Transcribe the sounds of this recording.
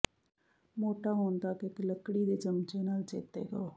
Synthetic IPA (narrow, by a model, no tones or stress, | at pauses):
moːʈaːɦoːnd̪aːkɪɪkləkɽiːd̪eːt͡ʃəmt͡ʃeːnaːlt͡ʃeːt̪ḛːɡəoː